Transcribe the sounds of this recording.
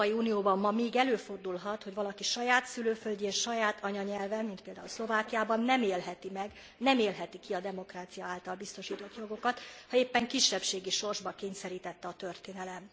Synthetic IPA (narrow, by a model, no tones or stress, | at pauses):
jiuːnijoːbɒmːɒmeːɡɛløːfo̞rd̪ulɦɒt̪ho̞ɟʋɒlɒkiʃɒjaːt̪syløːfølɟeːnʃɒjaːt̪ʰɒɲɒɲɛlvɛmint̪̚peːld̪aːulslo̞vaːkijaːbɒnːɛmeːlɦɛt̪imɛɡ | nɛmeːlɦɛt̪ikiɒd̪ɛmo̞kraːt̪sijɒaːlt̪ɒlbist̪o̞ʃiːt̪o̞t̪jo̞ɡo̞kɒt̪hɒeːpːɛŋkiʃːɛpʃeːɡiʃo̞rʒbɒkeːɲsɛɾiːt̪ɛt̪ːɛɒt̪ørt̪eːnɛlɛm